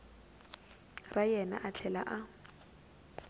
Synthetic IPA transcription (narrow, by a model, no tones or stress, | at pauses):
rajɛna̰ʔat͡ɬʰɛla̰ʔa